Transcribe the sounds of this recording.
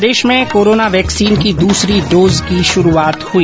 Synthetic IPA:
d̪eːʃmẽkoːɾoːnaʋɛːksiːnkid̪uːsɾiɖoːzkiʃʊɾuaːt̪hʊiː

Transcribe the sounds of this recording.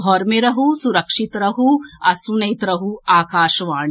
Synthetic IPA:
ɦɔɾmeɾɐɦusuɾɐkʂit̪ɾɐɦuɐsunɐjt̪ɾɐɦuaːkaːʃɐʋaːɳ

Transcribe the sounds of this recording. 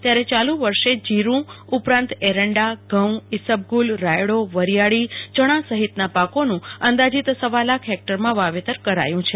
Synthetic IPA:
t̪jaɾet͡ʃalũʋəɾʃed͡ʒiɾũ | upɾãnt̪eɾəɳɖaɡʱəwisəb̚ɡulɾajɽoʋəɾijaɭit͡ʃəɽ̃ãsəɦit̪napakonũənd̪ad͡ʒit̪səʋalakʰɦek̚ʈəɾmãʋaʋet̪əɾkəɾa̰jũt͡ʃʰe

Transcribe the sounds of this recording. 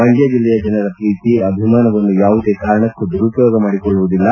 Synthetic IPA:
mɐŋɡjɐd͡ʒilːɛjɐd͡ʒɐnɐɾɐpɾiːt̪iɐbʱimaːnɐʋɐnːujaːʋud̪e̞ːkaːɾɐɳɐkːud̪uɾupjoːɡɐmaːɽikɔɭːuʋud̪ilːɐ

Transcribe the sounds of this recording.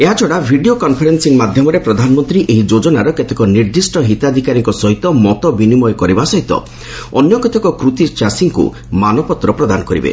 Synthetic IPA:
eɦat͡ʃɔɽabʱiɖiokɔnpʰɔɾensiŋmad̪ʱjɔmɔɾepɾɔd̪ʱanɔmɔnt̪ɾiʔeɦid͡ʒod͡ʒɔnaɾɔket̪ekɔniɾd̪isʈɔɦit̪ad̪ʱikaɾiŋkɔsɔɦit̪ɔmɔt̪ɔbinimɔjkɔɾibasɔɦit̪ɔ̰ | ɔnjɔket̪ekɔkɾut̪it͡ʃasiŋkṵ | manɔpɔt̪ːɾɔpɾɔd̪anɔkɔɾḭbḛ

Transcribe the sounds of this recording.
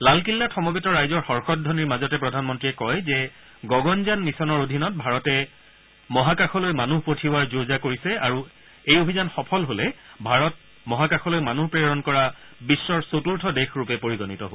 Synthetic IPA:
lalkilːatʰɔmɔbitɔɹajzɔɹxɔɹxɔt̚dʱɔniɹmazɔtɛpɹɔdʱanmɔntɹiɛkɔjzɛ | ɡɔɡɔnzanmisɔnɔɹodʱinɔt̚bʱaɹɔtɛ | mɔɦakaxɔlojmanuɦpotʰiaɹzozakoɹisɛaɹu | ejobʱizanxɔpʰɔlɦolɛbʱaɹɔt̚ | mɔɦakaxʰɔlojmanuɦpɹeɔɹɔnkɔɹa | bisːɔɹsotuɹtʰɔdexɹupɛpoɹiɡɔnitɔɦo

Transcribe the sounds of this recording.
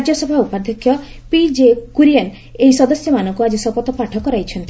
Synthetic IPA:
d͡ʒjɔsɔbʱaupad̪ʱɔkʰːjɔ | pid͡ʒekuɾijan | eɦisɔd̪ɔsjɔmanɔŋkuad͡ʒesɔpɔt̪ɔpaʈʰɔkɔɾajt͡ʃʰɔnt̪i

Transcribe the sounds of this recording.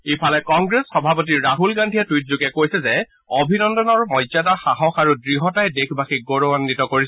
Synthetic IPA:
ipʰalɛkɔŋɡɹesxɔbʱapɔt̬iɹːaɦulɡandʱiɛtwit̚zuɡɛkojsɛzɛ | obʱinɔndɔnɔɹmɔjzadaxaɦɔxaɹudɹiɦɔtajdekʰbʱaxiɡoɹoanːitɔkoɹis

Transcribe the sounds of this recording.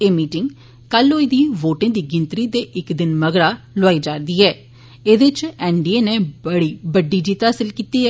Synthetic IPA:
eːmiːʈɪŋɡ | kəloːɪd̪iːʋoːʈẽːd̪iːɡɪnt̪ɾiːd̪eːʔɪkd̪ɪnməɡɽaː | lʊaːiːd͡ʒaːɾd̪iːɛː | eːd̪et͡ʃɛːɳɖiːeːneːbəɽiːbəɖːiːd͡ʒiːt̪aːsəlkiːt̪iːɛː

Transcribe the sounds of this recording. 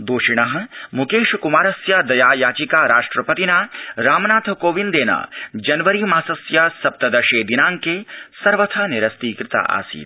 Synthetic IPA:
d̪oːʃiɽ̃ɐɦɐ̆mukeːʃkumaːɾɐsjaːd̪ɐjaːjaːt͡ʃikaːɾaːʂʈɾɐpɐt̪inaːɾaːmnaːt̪ʰkoːʋind̪eːna̰ːd͡ʒɐnʋɐɾiːmaːsɐsjaːsɐp̚t̪ɐd̪ɐʃeːd̪inaːŋkeːsɐɾʋɐt̪ʰaːniɾɐst̪iːkɾɪt̪a̰ːʔa̰ːsḭːt̪

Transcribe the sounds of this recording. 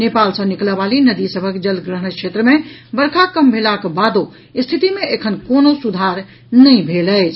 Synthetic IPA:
nepalsə̃nikləbalinəd̪isəbʱəkd͡ʒəlɡɾəɦəñksʰet̪ɾəmebəɾkʰakəmbʱelakbad̪o | ist̪ʰit̪imeekʰənkonosud̪ʱaɾ | nəɪ̃bʱeləɪt͡ʃʰ

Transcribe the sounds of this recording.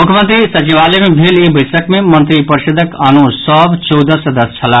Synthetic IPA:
mukʰjəmə̃nt̪ɾisət͡ʃiʋalemebʱelebəɪsəkmemənt̪ɾipəɾsed̪ʱəkanusəbt͡ʃɔwd̪əsd̪əst͡ʃʰɐla

